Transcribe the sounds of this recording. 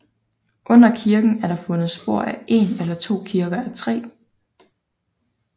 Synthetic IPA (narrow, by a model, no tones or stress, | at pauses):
ʔɔ̽n̰ɐkʰiɐɡ̥n̩æɐɾɑ̈fɔ̽nð̩ˠsb̥o̝ɐ̰æe̝̰nelɐt͡sʰo̝̰ːkʰiɐɡ̥ɐæt͡sʰʁɛ̰ː